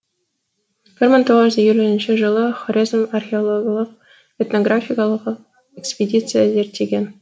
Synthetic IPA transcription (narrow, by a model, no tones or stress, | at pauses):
b̥ʲɪrʲməŋʲt̪oʁəzijulʲɘnɕɘʒɤ̆lˠɤχorʲezmarxʲeolˠoɡʲlˠəq̚ | et̪noɡrafʲikalˠəqq | ekspʲedʲit̪sɨjazʲerʲt̪ʲeɡʲen